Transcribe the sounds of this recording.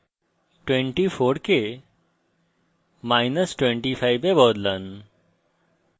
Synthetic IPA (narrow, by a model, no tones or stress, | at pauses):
ʈwẽɳʈifoɾke | majnəsʈwẽɳʈifajbebɔːd̪lən